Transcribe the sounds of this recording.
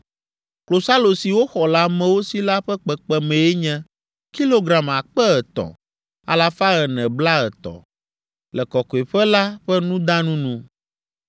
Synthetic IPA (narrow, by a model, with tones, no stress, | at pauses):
klo˨sa˦lo˨si˨wo˦xɔ˨la˦mɛ̃˨wo˦si˦la˦ɸɛ˦k͡pɛ˨k͡pɛ˦mɛ̃˨ɛ˦ɲɛ̃˦ | ki˦lo˦ɡɾa˨ma˨k͡pɛ˦ɛ˨t̪ɔ̰˨ | a̰˨la˨fa˦ɣɛ˨nɛ̃˨bla˦ɣɛ˨t̪ɔ̰˨ | lɛ˨kɔ˨kɔ˨e˨ɸɛ˦la˦ɸɛ˦nũ˦d̪a˦nũ˦nũ˦